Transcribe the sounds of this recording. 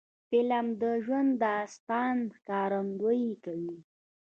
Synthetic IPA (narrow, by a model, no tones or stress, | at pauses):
fɪlamd̪əʒwand̪ːəast̪ɑnhkɑɾamd̪ojikawi